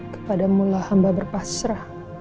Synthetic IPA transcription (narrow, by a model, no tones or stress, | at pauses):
kə̥padamulahambabərpasɾa